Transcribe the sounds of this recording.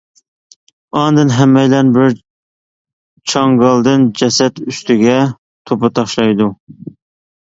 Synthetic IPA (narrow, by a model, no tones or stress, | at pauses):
ɑnd̪ɨnɦɛmːɛjlɛnbɪɾ | t͡ʃʰɑŋɡɑlˠd̪ɨnd͡ʒɛsɛt̪yst̪ɪɡʲɛ | t̪ʰopɑt̪ʰɑχʃlˠɑjd̪u